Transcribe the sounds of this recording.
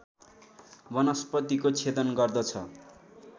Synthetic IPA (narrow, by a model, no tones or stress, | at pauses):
bʌnʌspʌt̪ikot͡sʰet̪ʌnɡʌrd̪ʌt͡sʰʌ